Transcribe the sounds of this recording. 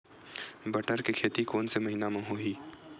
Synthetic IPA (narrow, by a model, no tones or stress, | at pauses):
bɐʈəɾkekʰeːt̪ikoːnsemɐɦiːnamãɦoɦiː